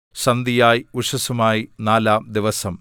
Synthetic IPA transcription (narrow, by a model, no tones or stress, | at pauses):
ɕɐnd̪ijaːjiuʂɐsumaːjinaːlaːmd̪iʋɐsɐm